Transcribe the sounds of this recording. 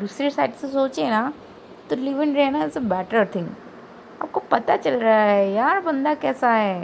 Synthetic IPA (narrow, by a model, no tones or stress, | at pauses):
d̪uːsɾesaːɪʈsesoːt͡ʃena | t̪olɪʋɪ̃nɾɦɛnaɪsebɛːʈəɾt̪ʰɪ̃ŋɡ | a̰ːp̚kopɐt̪at͡ʃɐlɾaɦaɦɛjaːɾbɐ̃nd̪akɛːsaɦɛ